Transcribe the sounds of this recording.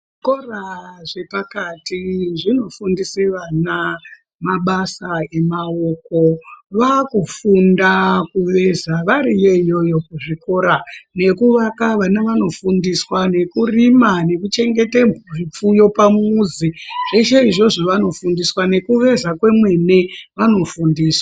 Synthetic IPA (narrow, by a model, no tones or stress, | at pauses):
ikoraʐe̞pakatiʐino̞fundiseʋana | maɓasae̞maoko̞ʋakufundakuʋe̞zaʋaɾije̞ijo̞jo̞kuʐiko̞ɾane̞kuʋakaʋanaʋano̞fundiswane̞kurimane̞kut͡ʃe̞ŋɡe̞te̞muʐip͡fujo̞pamuːziʐ̥e̞ʃeiʐo̞ʐoʋano̞fundiswane̞kuʋe̞zakwe̞mwe̞ne̞ʋano̞fundiːswa